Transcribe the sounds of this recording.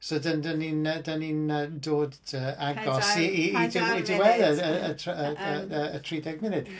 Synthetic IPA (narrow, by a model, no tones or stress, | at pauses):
sodəndəninədaninədoːdəːaɡɔsiiidɪidɪwɛðəəətʰəəəətʰriːdɛɡmɪnɨd̥